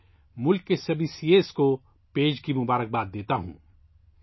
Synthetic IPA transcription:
mʊlkːesɐbʱisieːsko | peːd͡ʒkimʊbaːɾək̚baːd̪̚d̪eːt̪aɦṵ̃ː

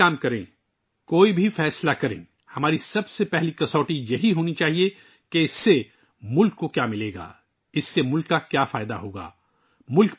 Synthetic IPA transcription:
aːmkɐɾẽː | koːibʱifɛːslakɐɾḛ̃ː | hɐmaːɾisɐbsepɛɦlikɐsɔːʈijɐɦiɦoːnit͡ʃaːɦie | keɪsːe | mʊlkːokjaːmɪleːɡa̰ː | ɪsːemʊlkːakjafaːɪd̪a̰ɦoːɡa̰ː | mʊlk

